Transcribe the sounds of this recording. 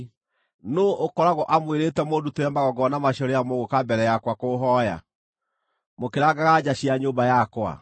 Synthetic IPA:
noʔokɔɾaɣɔʔamweɾeːtɛmoduteɾɛmaɣɔɡɔnamaɕɔɾejamoɣokabɛɾɛjakwakoɦɔja̰ | mokeɾaɡaɣad͡ʑaɕiaɲobajakwa̰

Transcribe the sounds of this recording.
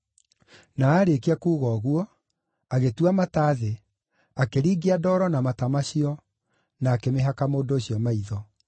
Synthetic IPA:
naaɾekeakuːɣɔːɣuɔ | aɣetuamataːðe | akeɾiːɡiadɔːɾɔnamatamaɕiɔ | naːkemeɦakamoːndoːɕiɔmaiðɔ

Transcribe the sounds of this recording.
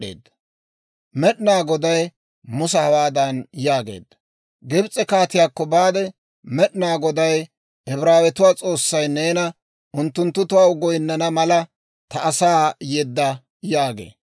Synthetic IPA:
ḛːd̪ːɐ | mɛɗnaːɡɔd̪ɐj | mʊsɐhɐwaːd̪ɐnjaːɡe̞̰ːd̪ːɐ | ɡɛbt͡sʼːɛkaːt̪ɪjaːkːɔbaːd̪ɛ | mɛɗnaːɡɔd̪ɐj | ʔɛbɪɾaːwɛt̪ʊwaːt͡sʼo̞ːsːɐjneːnɐ | ʊnt̪ːʊnt̪ːʊt̪ʊwaːʊɡɔjnːɐnɐmɐlɐ | t̪ɐʔːsaːjɛd̪ːɐ | jaːɡḛː

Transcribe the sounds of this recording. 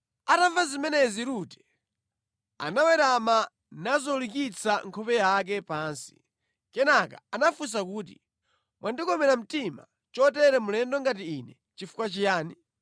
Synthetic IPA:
ataɱvazimɛnɛziɾutɛ̥ | a̰nawɛɾama | nazɔlikit͡saŋkʰɔpɛjak̬ɛpaːnsi̥ | kɛnakaanafus̬akuːt̬ḭ | mwʔandikɔmɛɾam̩tima̰ | t͡ʃɔtɛɾɛmulɛndɔŋɡatiːnɛ | t͡ʃifu̥kwat͡ʃijaːni

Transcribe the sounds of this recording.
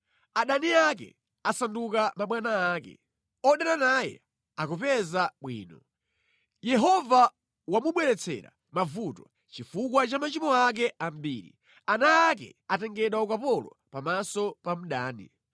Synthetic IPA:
aɗaniak̬ɛ̰ | asandukamaɓwanaːkɛ̰ | ɔɗɛɾanajɛ | akupɛzaɓwḭːnɔ | jɛɦɔva | wamuɓwɛɾɛt͡sʰɛ̰ɾa̰ | mavutɔ | t͡ʃifuk̬wat͡ʃamat͡ʃimɔak̬ɛam̩biːɾḭ | anaːk̬ɛ̰atɛŋɡɛɗwaukapɔlɔ̰ | pamasɔpam̩ɗaːnḭ

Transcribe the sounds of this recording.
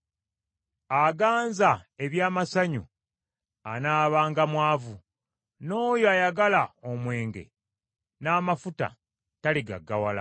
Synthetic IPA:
aɡaːnzae̞βjaːmasaɲṵ | anaːβaːŋɡamwaːvu | no̞ːjoajaɡalaomwe̞ːŋɡe̞̰ | naːmafuta̰ | taliɡa̰ɡːawala̰

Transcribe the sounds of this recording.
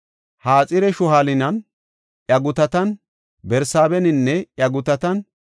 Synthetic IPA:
haːt͡sʼɪɾɛʃʊɦalɪnɐn | ʔjɐɡʊt̪ɐt̪ɐn | bɛɾsaːbɛnɪnːɛjɐɡʊt̪ɐt̪ɐn

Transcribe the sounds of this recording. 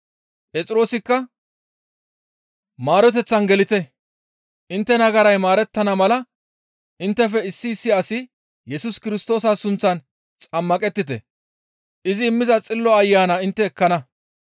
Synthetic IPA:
pʼɛt͡sʼɪɾo̞ːsɪkːɐ | maːɾɔt̪̬ɛt͡sːɐnɡɛlɪt̪ɛ | ʔɪnt̪ːɛnɐɡɐɾɐjmaːɾɛt̪ːɐnɐmɐlɐ | ʔɪnt̪ːɛfɛɪsːɪːsːɪɐsɪ | jɛsʊskɪɾɪst̪o̞ːs̬asʊnt͡sːɐn | t͡sʼɐmːɐkʼɛt̪ːɪt̪ɛ̰ | ʔɪzɪːmːɪzɐt͡sʼɪlːɔɐjːaːnɐɪnt̪ːɛːkːɐnɐ

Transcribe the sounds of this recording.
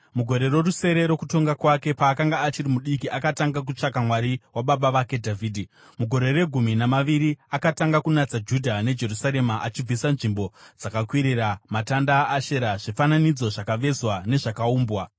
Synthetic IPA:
muɡʱo̞ɾe̞rwe̞ruse̞ɾe̞ɾo̞kuto̞ŋɡakwake̞paːkaŋɡaːt͡ʃirimuɗikiʔakataŋɡak̬ut͡ʂakamwaɾiwaɓaɓaʋake̞dʱavʱiːdʱi | muɡʱo̞ɾe̞re̞ɡʱuminamaʋiɾiakataŋɡakunat͡sad͡ʒudʱane̞d͡ʒe̞rusaɾe̞maʔat͡ʃib͡visanʐimbo̞d͡zakakwiɾiramatandaːʃe̞ɾaʐifananid͡zo̞ʐakaʋe̞zwane̞ʐakauːmbwa

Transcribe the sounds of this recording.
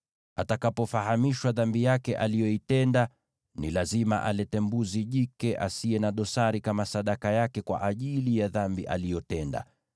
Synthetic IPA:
atakapɔfaɦamiʃwaðambijakɛʔalijɔitɛnda | nilazimaʔalɛtɛmbuziʄikɛʔasiɛnaɗɔsaɾikamasaɗakajakɛkwa̰ʔaʄilijaðambiʔa̰lijɔtɛnda̰

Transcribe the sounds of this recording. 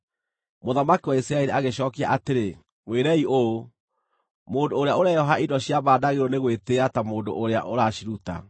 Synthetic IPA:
moðamakiwaisiɾaɛɾiaɣeɕɔːkia̰ʔateɾe | mweːɾɛioo | moːndoːɾeaoɾajɔɦaidɔɕjaβaːdaɣeɾɔneɣweteatamoːndo̰ʔoɾea̰ʔoɾaɕiɾuta̰

